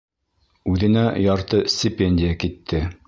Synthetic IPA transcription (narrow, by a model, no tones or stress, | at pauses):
ʉðɘ̆næjɑɾt̪ɤsʲt̪ʲɪpʲenʲdʲɪjakit̪ʰːɘ